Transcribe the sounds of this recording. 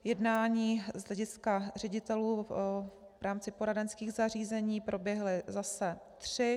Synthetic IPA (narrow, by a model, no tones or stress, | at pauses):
jɛdnaːɲiːzɦlɛɟɪskar̝ɛɟɪt̪ɛluː | vɾʔaːmt͡sɪpoɾadɛnskiːɣzariːzɛɲiːpɾo̞bjɛɦlɪzasɛt̪r̝̥ɪ